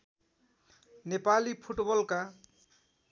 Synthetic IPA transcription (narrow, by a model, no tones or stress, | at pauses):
nepalipʰuʈbʌlka